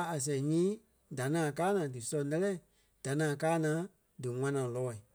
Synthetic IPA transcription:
a˨s̬ɛ̃˨ɲĩː˦ | da˨nãː˨kaː˦nãː˨dɨ˨sɔ̃˧˨nɛ˦lɛ˦˨ | d̥a˨nãː˨kaː˦nãː˨˦ | dɨ˨ŋã˦nãː˨lɔː˨˦˨i˨

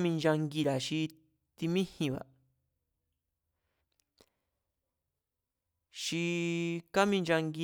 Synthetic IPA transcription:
mĩ˧nd͡ʒa˧ŋɡi˧ɾa˨ʃi˧ | t̪i˧mĩ˦hĩ˧βa̰˨ | ʃi˧ka˦mĩ˧nd͡ʒa˧ŋɡi˧

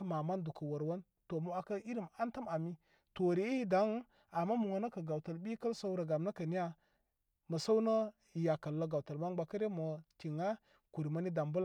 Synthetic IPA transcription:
ma˨ma˦ndu˨kə˨wo˨ɾwa˦n | to˨mu˦a˨kə˦i˦ɾi˦˨ma˦ntə˦ma˨mi˦ | to˨ɾi˨˦i˦i˦da˨˦ŋ˦ | a˨mːa˦mu˨ŋə˨nə˦kə˨ɡa˨wtə˨lbi˦kə˦lsa˦wɾa˨ɡa˨mnə˦kə˨ni˦a˦ | mə˨sa˦wnə˦˨ | ja˨kə˨lːə˦ɡa˨wtə˨lma˦ŋɡ͡ba˨kə˦ɾe˦mə˨ti˨ŋa˦ | ku˨ɾi˨mə˦ni˦da˨mbu˦l

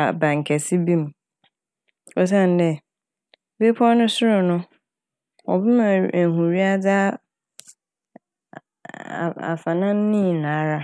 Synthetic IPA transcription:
a˨bã˨ŋ˨kʰɛ˨si˦bĩ˦m˨ | ɔ˨s̬ã˦˨n˨˦dɛ˦˨ | be˦pʰɔ˦nʊ̃˦sʊ˦ɾʊ˨nʊ̃˦ | ɔ̰˨bɪ˦mã˨hũ˨ɾi˦a˦da˦˨ | a̰˨fa˨nã˦n˦nĩ˦˨nã˨˦ɾa˦

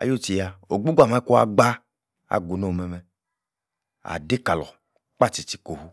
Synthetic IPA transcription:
a̰˨jo˦ti˨ja˨o˨ɡ͡bu˦ɡʷa˨ma˦i˦ku˦a˦ɡ͡ba˦ | a̰˨ɡu˨no˦˨mɛ˨mɛ˨ | a̰˨de˦ka˨lɔ̰˨ | k͡pa˦˨t͡ʃi˨t͡ʃi̥˨ko˨hu˦

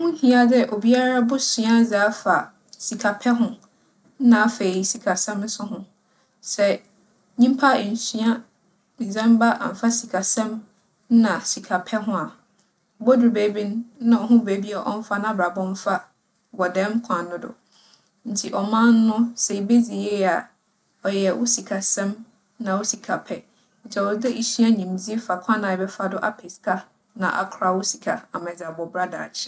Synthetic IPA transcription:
mʊ̃˦hĩ˦a˦dɛ˦ʔo˨bi˦a˦ɾa˦bʊ˦sĩ˨a˦d͡zaː˨˦fa˨ | si˨kʰa˨pʰɛ˦ɦʊ̃˦ | n̩˦nã˨˦fa˨ji˦si˨kʰa˨sɛ̃˦mn̩˦sʊ˦ɦʊ̃˦ | sɛ˨ | ɲĩ˦m˦pʰa˦˨n̩˨sɥa˦ | mĩ˨d͡zã˦m˦ba˦ʔa̰˨m̩˨fa˦si˨kʰa˨sɛ̃˦m˦ | nã˨si˨kʰa˨pʰɛ˦ɦʊ̃˦a˨ | bo˦dʊ˨ɾbe˨˦bĩ˦n˦nã˨ɔ˨ɦʊ̃˦be˨˦bi˦a˨ʔɔ˦m̩˦fa˦nã˦bɾa˨bɔ̃˦m˦fa˦ | bɔ˨dɛ̃˦m˦kʷʰã˨nː˦ʊ̃˦dʊ̰˨ | n̩˨tʰi˨ʔɔ˨mã˦nː˦ʊ̃˦sɛ˨i˨be˦d͡zi˨jɛ˦˨a˨ | ɔ˨jɛ˨wʔo˦si˨kʰa˨sɛ̃˦m | nã˨wo˦si˨kʰa˨pʰɛ˦ | ɲ̩˨t͡ɕʰɛ˨ɔ˨˦dɛ˦ʔi˨ɕi˦a˦ɲĩ˨m˨d͡zi˦e˦fa˨kʷʰã˦nã˨ɛ˨bɛ˦fa˦dʊ˦ʔa˦pʰe˨skʰa˦ | nã̰˨ʔa̰˨kʰɾa˦wo˦si˨kʰa̰˨a˨mã˨d͡za˨bɔ˨bɾa˦da̰˨t͡ɕʰɪ̥˦

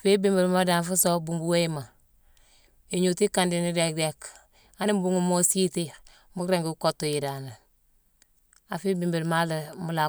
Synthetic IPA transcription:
fi˦bi˦mbi˨ɾmo˦da˨nfu˦so˦bu˨ŋbu˦we˦i˦ma˨ | e˨ɲu˨ti˦ka˨ndi˨ni˦de˨k̚de˦k | a˦ni˦m˦bu˦ŋu˨mo˦si˦ti˦ | mu˦kɾe˦ŋɡu˦u˦ko˦tːo˨ji˨da˨na˨ | a˨fiː˦bi˨mbi˨ɾma˦le˨mu˨˦la˨

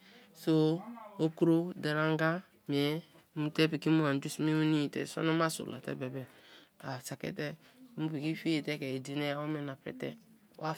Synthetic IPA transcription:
so˦o˦ku˦ɾo˦de˨ɾa˦ŋ˦ɡa˦ | me˨˦ | mu˨tɛ˦pi˨ki˦mu˦a˨du˦sme˦u˦ni˦˨tɛ̰˨so̰˦no˦ma˦so̰˨la̰˨tɛ̰˦bɛ˨bɛ˨a˨sa˨kḛ˦tɛ˦ | mu˦pi˨ki˦fi˦e˨tɛ˦kɛ˨i˨di˨ne˦ja˦o˦me˨na˨pɾɛ̰˦tɛ˦ | a˦

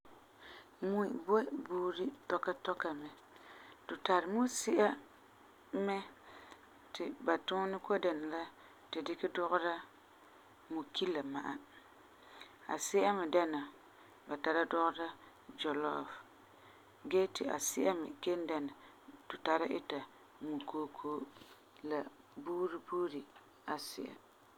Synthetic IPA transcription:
mu˦˨bo˦buː˦ɾɪ˦tɔ˦ka˦tɔ˦ka˨mɛ˨ | tʊ˨ta˨ɾɪ˨mu˦sɪ˦ʔa˦ | mɛ˦ | tɪ˨ba˨tʊ˦nɪ˦ko˦da˨na˨la˦ | tɪ˨dɪ˦kɪ˦dʊ˦ɣʊ˦ɾa˦ | mu˨ki˦lːa˨ma̰˨ʔa˨ | a̰˨sɪ˦ʔa˦mɪ˨da˦na˨ | ba˨ta˨ɾa˦dʊ˦ɣʊ˦ɾa˦ | d͡ʒɔ˨lɔ̰˦˨f | ɡɛ˦tɪ˨ʔa̰˨sɪ˦ʔa˦mɪ̰˨ke˦n˦da˨na˨ | tʊ˨ta˨ɾa˦ʔɪ˦ta˨ | mu˨koː˦kʰoː˦ | la˨ | buː˦ɾi˦buː˦ɾi˨ | a˨sɪ̰˦ʔa̰˨

